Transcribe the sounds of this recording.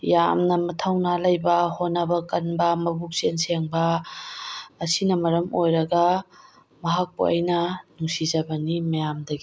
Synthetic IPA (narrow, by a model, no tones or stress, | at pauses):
ja̰mnɐmɐtʰawnalɐjbɐhonːɐbɐkɐnbɐmɐbuk̚senseŋbɐ | sinɐmɐɾɐmojɾɐɡɐ | mɐɦak̚po̰ɐ̰jnɐnusizɐbɐnimɐjamdɐɡi